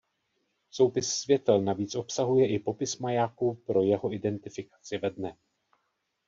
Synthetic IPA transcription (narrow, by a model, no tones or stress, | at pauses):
so̞wpɪsːvjɛt̪ɛlnaviːt͡sʔo̞psaɦujɛʔɪpo̞pɪsmajaːkupɾo̞jɛɦo̞ʔɪdɛnt̪ɪfɪkḁt͡sɪvɛdnɛ